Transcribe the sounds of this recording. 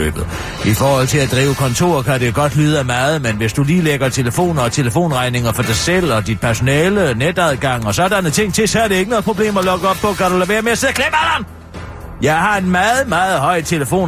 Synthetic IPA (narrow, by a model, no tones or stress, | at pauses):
ø̰ːb̥ð̩ˠ | ifɒːhɒ̽l̰t͡sʰe̝læd̥ʁḭːʊəkʰɒ̽nt͡sʰo̝̰ːɐ̰kæde̝ɡ̥ɒ̽d̥lyːðˠæmɑːð̞̩ˠmenʋe̝sd̥uliːleɡ̥ɐt͡sʰeləfo̝̰ːnɐɒ̽t͡sʰe̝ləfo̝̰ːnʁɑ̈ɪne̝ŋɐfɒ̽d̥ɑ̈ɪsel̰ɒ̽d̥id̥̚pʰæɐso̝nɛːləned̥æðˠɡ̥ɑ̈ŋ̰ɒ̽sɒ̽ɐd̥ænət͡sʰe̝ŋ̰t͡sʰe̝sɒ̽æɐɾee̝ɡ̥ənɔ̽ð̩ˠpʰʁo̝b̥le̝̰ːmɒlɔ̽ɡ̥əɒ̽b̥̚pɒ̽kʰæɾuleʋe̝ɐmeɐse̝ð̰ɐkʰlem̥æln | jɑ̈ɪɦɑ̈e̝dmɑːð̩ˠmɑ̈ːð̩ˠɦɒ̽ɪ̰t͡sʰe̝ləfo̝̰ː